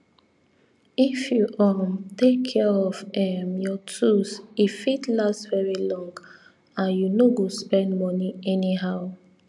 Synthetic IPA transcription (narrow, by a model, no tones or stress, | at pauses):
ifjuʔɔmtekʰːɛɹɔvɛmjɔtʰusifitlastvɛɹilɔ̃ŋɡ | ãnjunoɡospɛ̃ndmɔniɛniɦaʊ